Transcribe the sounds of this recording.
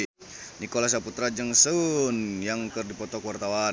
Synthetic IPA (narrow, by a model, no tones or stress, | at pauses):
nikolas̬aput̪ɾad͡ʒəŋsunjaŋkərdipɔt̪ɔkwart̪awa